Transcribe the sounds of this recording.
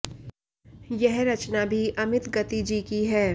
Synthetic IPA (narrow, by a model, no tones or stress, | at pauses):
jɛɦɾɐt͡ʃnabʱiʔɐmɪt̪ɡɐt̪id͡ʒiːkiɦɛː